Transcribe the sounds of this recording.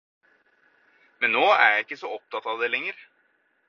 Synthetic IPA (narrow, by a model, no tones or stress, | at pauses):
mɛnnoːæ̰ɾjæɪkːəsɔɔp̚t̪ɑt̪ɑʋd̪ɛlɛŋːəɾ